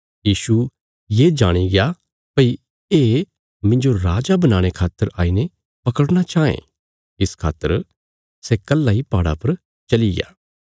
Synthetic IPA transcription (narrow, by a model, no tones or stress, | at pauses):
jiːsu | jed͡ʒaːɽ̃iɡɪja | pɐi | eː | mɪ̃nd͡ʒoɾaːd͡ʒabɐnaːɽ̃ekʰaːt̪ːəɾaːine | pɐkəɽɽ̃at͡ʃaːḛ̃ | ɪskʰa̰ːt̪ːəɾ | sɛkɐlːaipaːɽa̰pɐɾ | t͡ʃɐliɡɪ̰ja̰ː